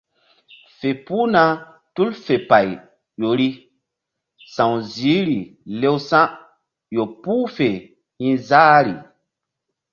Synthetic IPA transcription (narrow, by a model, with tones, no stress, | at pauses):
fe˨pu˦na˦ | tu˦lfe˨pa˨j | jo˨ɾi˦ | sã˨wzi˨˦ɾi˨le˦wsã˦ | jo˨puː˦fe˨ | hĩ˦zaː˦ɾi˨